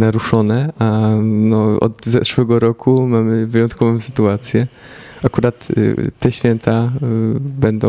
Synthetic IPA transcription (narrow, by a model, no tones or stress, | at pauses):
naɾuʂɔnɛanɔɔ̰d̪zɛʂwɛɡɔɾɔkʰumamɘvɘjɔ̃nt̪kɔvɔ̃sɘ̥t̪uat̪sʲjɛ | akuɾat̪ːɛɕfʲjɛnt̪ʰa | bɛnd̪ɔ̃